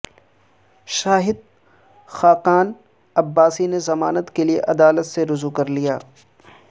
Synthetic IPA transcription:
ʃaːɦɪd̪̚ | xaːqaːn | ɐbːaːsinezɐmaːnət̪keliḛʔɐd̪aːlət̪seɾʊzukɐɾlijaː

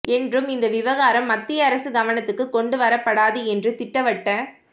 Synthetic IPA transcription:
ɛndrɯmɪnd̪ɐʋɪʋɐɣaːɾɐmːɐt̪ːɪjɐːɾɐsɯɡɐʋɐnɐt̪ːɯkːɯkːɔɳɖɯʋɐɾɐpːɐɽaːðɯɛndrɯt̪ɪʈːɐʋɐʈːɐ̃

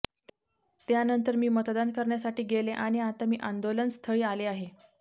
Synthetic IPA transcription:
t̪janənt̪əɾmiːmət̪d̪ankəɾɳjasaʈiːɡeleʔaɽ̃iat̪amiːʔand̪olənst̪ʰəɭiːaleaɦe

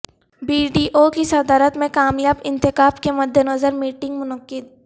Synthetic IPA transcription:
biːɖiːʔokisɐd̪aːɾət̪mẽkaːmjaːbɪ̃nt̪ɪkaːbkemɐd̪ːenɐzəɾmiːʈɪ̃ŋɡmʊnəqːɪd̪̚

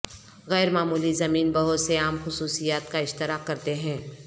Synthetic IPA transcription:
ɣɛːɾmaːmuːlizɐmiːnbɐɦʊt̪seaːmxʊsuːsijaːt̪kaɪʃt̪ɪɾaːkkɐɾt̪eɦɛ̃ː

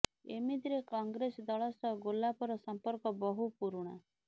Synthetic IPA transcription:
ḛmid̪ɾekɔŋɡɾesɔd̪ɔɭɔsɔɡolapɔɾɔsɔmpɔɾkɔbɔɦupuɾuɽ̃a

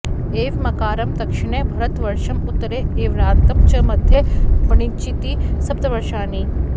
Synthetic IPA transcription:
eːʋmɐkaːɾɐmd̪ɐkʃɪɳ̃ebʱɐɾɐt̪ʋɐɾʃɐmʊt̪ːɐɾeeːʋɾaːɾt̪ɐmt͡ʃɐmɐd̪ʱjebɐɳit͡ʃit̪isɐp̚t̪ɐʋɐɾʃaːni

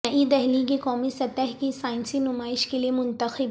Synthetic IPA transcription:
ɐʔid̪ɛɦlikikɔːmisɐt̪əɦkisaːɪnsinʊmaːɪʃkeliemʊ̃nt̪əxɪb

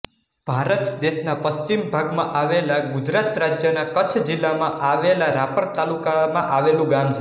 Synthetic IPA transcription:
b̥ʱaɾət̪d̪eʃnapəst͡ʃimbʱaɡmã̰ʔaʋelaɡʊd͡ʒɾat̪ɾad͡ʒjənakət͡ʃʰd͡ʒilːamãʔaʋelaɾapəɾt̪alukamãʔaʋelũɡamt͡ʃʰe

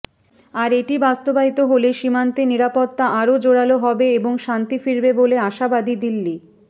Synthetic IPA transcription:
aɾeʈibast̪obait̪oɦoleʃimant̪eniɾapot̪ːaʔaɾod͡ʑoɽaloɦɔbeeboŋʃant̪ifiɾbeboleaʃabad̪id̪ilːi

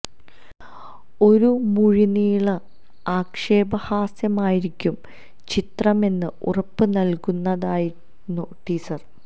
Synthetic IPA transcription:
o̞ɾumuɻiniːɭɐ | aːkʂeːbɐhaːsjɐmaːjiɾikʲːum | t͡ɕit̪rɐme̞nːɨṵrɐpːɨnɐlkunːɐðaːji | noʈːiːsɐr

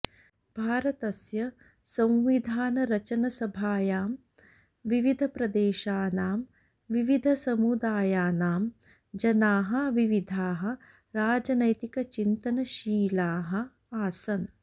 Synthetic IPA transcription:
b̥ʱaːɾɐt̪ɐsjɐ | sɐ̃mʋid̪ʱaːnɐɾɐt͡ʃɐnɐsɐbʱaːjaːm | ʋiʋid̪ʱɐpɾɐd̪eːʃaːnaːm | ʋiʋid̪ʱɐsɐmud̪aːjaːnaːm | d͡ʒɐnaːɦɐ̆ʋiʋid̪ʱaːɦɐ̆ | ɾaːd͡ʒɐnɐjt̪ikɐt͡ʃint̪ɐnɐʃiːlaːɦɐ̆ | aːsɐn

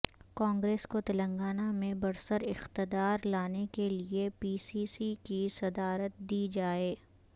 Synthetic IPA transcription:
kãːŋɡɾeːskot̪ɐlə̃ŋɡaːnamẽbɐɾsəɾɪxt̪ɪd̪aːɾlaːnekeliepiːsisikisɐd̪aːɾət̪̚d̪iːd͡ʒaːeː

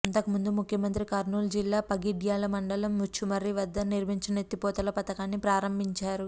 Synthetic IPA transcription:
ɐnt̪ɐkumund̪umukʰjɐmɐnt̪ɾikɐɾnuːld͡ʒilːaːpɐɡiɖjaːlɐmɐɳɖɐlɐmːut͡ʃːumɐɾiʋɐd̪ːɐniɾmiɲt͡ʃɐnet̪ːipɔːt̪ɐlɐpɐt̪ɐkaːnːipɾaːɾɐmbʱiɲt͡ʃaːɾu

